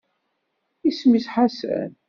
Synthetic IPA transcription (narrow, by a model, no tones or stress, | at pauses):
ismisħasæ̰n